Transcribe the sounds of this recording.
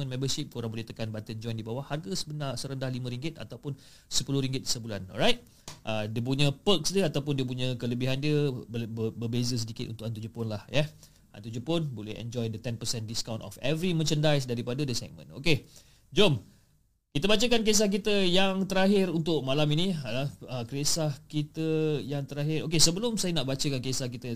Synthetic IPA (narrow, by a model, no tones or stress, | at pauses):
ə̃nmɛ̃mbəsip̚koɾaŋbolit̪əkanbat̪ənd͡ʒɔjndibawaharɡəsəbənasəɾəndahlimə̃ɾiŋɡɪt̪̚a̰t̪awpʊn | səpulʊhɾiŋɡɪt̪̚səbula̰nɔ̰rajt̪̚ | ʔədiəp̬uɲə̃pəksdiəat̪awpʊndiəp̬uɲə̃kələbɪɦandiə | bəbezəs̬ədikɪt̪ʔṵnt̪ʊk̚ant̪ud͡ʒupʊnlahjɛ | ʔa̰nt̪ud͡ʒupʊnbolɛ̰hɛ̰̃nd͡ʒɔjdət̪ɛnpəsɛndiskawntɔ̰fɛvɾimət͡ʃəndajs̬daɾipadədəsa̰k̚mə̰̃no̰ke | d͡ʒom | kit̪əbat͡ʃəkank̬es̬ahk̬it̪əjaŋt̪əɾaɦɪɾunt̪ʊʔ̚malaminialaəkɾesahkit̪əjaŋt̪əɾaɦɪɾok̬esəbəlʊmsajənaʔbat͡ʃəkankesahkit̪ə